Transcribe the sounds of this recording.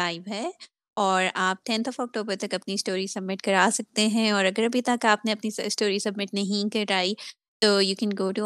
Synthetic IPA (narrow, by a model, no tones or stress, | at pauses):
aːɪbɦɛ | ɔːɾaːp̚ʈɛ̃nt̪ʰɔfɔːk̚ʈoːbəɾt̪ɐkɐpniɪsʈoːɾisɐb̚mɪʈkɐɾaːsɐk̚t̪eɦɛ̃ɔːɾɐɡəɾɐbʱit̪ɐkaːpneɐpniɪsʈoːɾisɐbmɪʈnɐɦĩkɐɾɾaːi | t̪oːjuːkɛ̃nɡoːʈu